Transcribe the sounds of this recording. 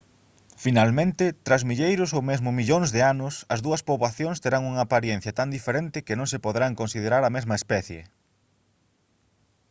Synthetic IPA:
finalmẽnt̪ɪt̪ɾazmiʎejɾʊsowmezmʊmiʎoŋzðeanʊsɐzðuɐspoβlaθjõŋst̪eɾaŋuŋɐːpaɾjɛn̟θjɐt̪and̪ifeɾent̪ɪkɪnõŋs̬epoðɾaŋkõnsið̞eɾaɾɐmezmɐespɛθjḛ

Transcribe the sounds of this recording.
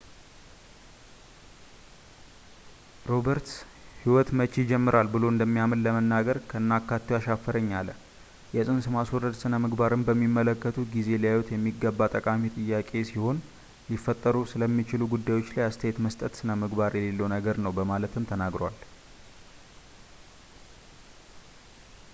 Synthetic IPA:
ɾo̞bəɾt̪ | hiwɔt̪mət͡ʃːid͡ʒɛmːɨɾalbɨlo̞ɨnd̪əmːijamɨnləmənːaɡəɾkʰəɨnːakːat̪ːiwaʃafːəɾəɲːalə | jɛsʼɨnsɨmaswɔɾːəd̪sɨnəmɨɡbaɾɨmbəmːimːələkːət̪ʰuɡize̞lijajwɔt̪jɛmːiɡːəbːat̪ʼəkʼamit̪ʼɨjːakʼe̞siho̞n | lifːət̪ʼːəɾusɨləmːit͡ʃɪluɡud̪ːajwo̞t͡ʃːlajast̪ʰəjɛt̪məst̪ʼət̪sɨnəmɨɡbaɾjɛle̞lːəwnəɡəɾnəwbəmalət̪ʰɨmt̪ʰənaɡɾowal

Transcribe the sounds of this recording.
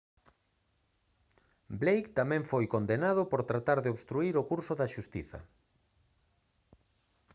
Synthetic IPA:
blejkt̪amɛ̃ɱfojkond̪enað̞ʊpoɾt̪ɾat̪aɾðeoβst̪ɾuiɾokuɾsʊðaʃust̪iθɐ̰

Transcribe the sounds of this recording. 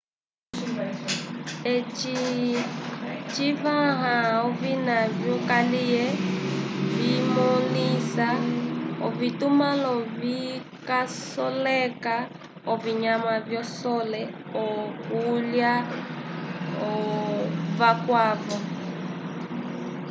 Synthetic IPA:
ɛt͡ʃi | t͡ʃivaɦaɔvinavjɔkalijɛ | vimɔlisaɔ̰vitumalɔvi | kasɔlɛka | ɔviɲamavjɔsɔlɛ | ɔkulja | ɔ | vakwavɔ

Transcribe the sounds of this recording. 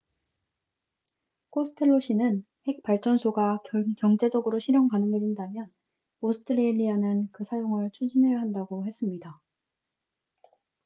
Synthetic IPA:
k͈ʰosʰɯ̥tʰeɭːoɕ͈ʰinɯn | he̞k̚paɭt͡ɕ͈ʌnsʰoɡakjʌŋd͡ʑe̞d͡ʑʌɡɯɾoɕʰiɾjʌŋkanɯŋɦed͡ʑindamjʌn | osʰɯ̥tʰɯɾeʎːianɯnkɯsʰajoŋɯɭt͡ɕʰud͡ʑine̞jaɦandaɡohe̞s͈ɯmɲida

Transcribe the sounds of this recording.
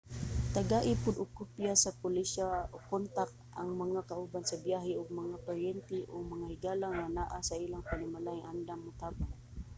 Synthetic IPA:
t̪aɡaʔɪpʊd̪ʊkʊpjasapʊlɪʃaokːont̪ak̚ | ʔaŋmɐŋakaʔubansabjaɦɪʊɡ̚maŋapaɾjɛnt̪ɪʔʊɡmaŋahɪɡaːlaŋːanaʔasailaŋpanɪmalaɪŋʔand̪aŋːʊt̪aːba

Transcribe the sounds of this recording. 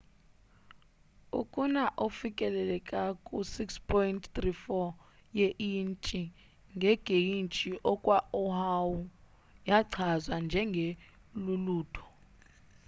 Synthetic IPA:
ṵkʼunaʔofikʼɛlɛlɛkʼakʼusikspʰɔjntʰt̪rifɔ | jeʔint͡ʃʼi | ŋɡʱɛɡ̥ʱejint͡ʃʼiʔɔkʼwaɔhawu | jaǀʰazwand͡ʒʱɛŋɡʱe | luluːtʰɔ̥

